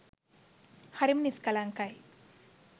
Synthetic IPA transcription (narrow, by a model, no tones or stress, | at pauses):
haɾimniskalaŋkaj